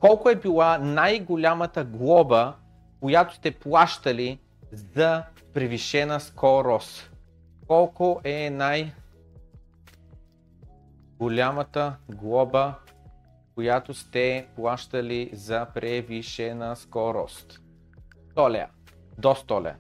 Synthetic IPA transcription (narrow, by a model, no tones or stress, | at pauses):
kɔlˠkoɛbilˠanajɡolʲamət̪əɡlˠɔbə | kojat̪o̥st̪ɛplˠaʃt̪ɐli | zɐ | pɾɛviʃɛnəskɔɾɔst̪ | kɔlˠkoʔɛnaj | ɡolʲamət̪əɡlˠɔbə | kojat̪ost̪ɛplˠaʃt̪əlizɐpɾɛviʃɛnəskɔɾɔ̰st̪ | t̪ɔlɛ̰ | d̪ɔst̪ɔlʲɛ̰